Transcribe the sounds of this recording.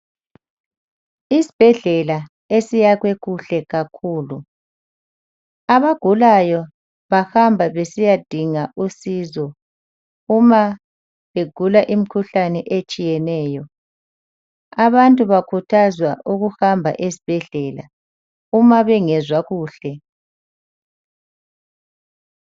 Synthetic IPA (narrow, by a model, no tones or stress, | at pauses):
isi̥b̥ʱɛɮɛla | esijaɣwɛɣuɬɛɣakʰuːlu | aβaɡ̥ʱulajɔ | βahambʱaβesijad̥ʱiŋaʔusiːzɔ | uma | βeɡ̥ʱulaʔim̩kʰuɬanɛʔet͡ʃʼijɛnɛːjɔ | aβantʼuβakʰutʰazwaʔuɣuhambʱa̰ʔesi̥b̥ʱɛɮɛːla̰ | umaβɛŋɛzwaɣuːɬɛ